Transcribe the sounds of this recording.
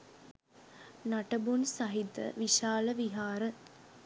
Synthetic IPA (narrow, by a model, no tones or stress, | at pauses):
naʈəbunsaɦid̪ə̰ʋiʃaːləʋiɦaːɾə